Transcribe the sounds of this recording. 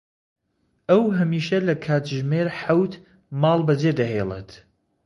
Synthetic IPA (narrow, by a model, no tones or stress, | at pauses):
ʔɐwɦɐmiːʃɐlɐkʰaːt̪ʒmeːɾħawt̪ | mɑːlˠbɐd͡ʒed̪ɐɦelˠḛt̪